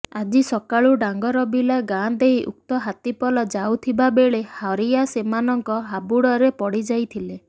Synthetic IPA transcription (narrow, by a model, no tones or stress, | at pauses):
ad͡ʒisɔkaɭuɖaŋɡɔɾɔbilaɡand̪eɦiʔṵk̚t̪ɔɦat̪ipɔlɔd͡ʒawt̪ʰibabeɭehɔɾiasemanɔŋkɔɦabuɽɔɾepɔɽid͡ʒajt̪ʰile